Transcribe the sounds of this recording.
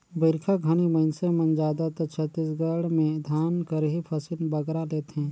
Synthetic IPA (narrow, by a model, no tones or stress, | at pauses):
bɪɾkʰaɡʱaniməɪnsemɐnd͡ʒaːd̪at̪ɐt͡ʃʰət̪ːisɡəɽmẽd̪ʱjaːnkɐɾɦipʰɐsilbɐɡɾaleːt̪eɦɛ̃ː